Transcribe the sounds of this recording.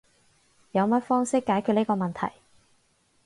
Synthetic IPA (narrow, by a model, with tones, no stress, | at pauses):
jɐ˨˧wmɐ˥t̚fɔː˥ŋsɪ˥kːaː˨˥jkʰy˨˧t̚ni˥kɔː˧mɐ˨nt̪ʰɐ̰˨˩j